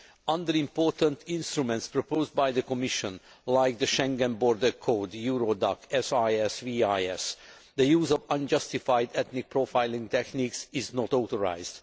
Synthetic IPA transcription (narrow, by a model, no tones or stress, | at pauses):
ʔʌ̃nd̪əɹĩmpoɹt̪ə̃nt̪ĩnst̪ɾumɛ̃nt̪spɹopoːzd̚bajd̪əkɔmiʃə̃n | lajk̚d̪əʃɛ̃ŋɡɛ̃nbɔɹd̪əkʰoːd̪juːɹod̪ɑkɛsajɛsviajɛs | d̪əjuːzɔvʌ̃nd͡ʒʌst̪ifajd̪ɛt̪nik̚pɹofaɪlĩŋt̪ɛkniksɪznɔt̪oːt̪ɔɹa̰ɪzd̪